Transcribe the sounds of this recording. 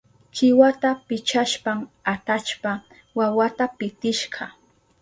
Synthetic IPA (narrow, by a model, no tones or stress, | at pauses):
kɪwat̪apɪt͡ʃaʃpamat̪at͡ʃpa | wawat̪apɪt̪ɪʃɢɑ